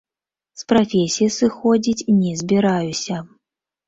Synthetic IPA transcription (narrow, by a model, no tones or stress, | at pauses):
spɾafʲesʲijisɨxɔd͡zʲit͡sʲinʲɛzʲbʲiɾajusʲɐ